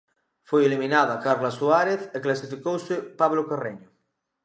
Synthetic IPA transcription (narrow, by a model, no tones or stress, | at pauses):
fojeliminaðakaɾlasuaɾeθeklasifikowsɪpaβlokareɲʊ